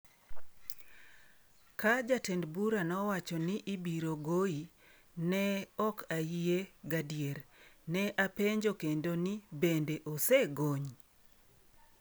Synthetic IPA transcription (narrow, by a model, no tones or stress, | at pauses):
kad͡ʒatendbuɾanɔwat͡ʃɔnɪʔibiɾoɡoi | nɛɔkʰaieɡadijeɾnɛʔapeɲd͡ʒokendonibendeʔoseɡoɲ